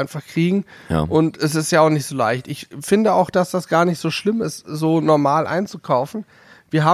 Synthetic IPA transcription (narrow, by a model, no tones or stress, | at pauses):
ɪnfaχkʁ̥iːɡŋ̩̰ʔʊntɛs̬ɪstjaːaʊχnɪçtz̥oːlaɪçtʔɪçfɪndəa̰ʊxd̥asd̥asɡ̥aːɐnɪçtz̥oːʃlɪmɪstz̥oːnɔɐmaːlʔa̰ɪnt͡sukʰaʊfn̩ | viːɐɦaː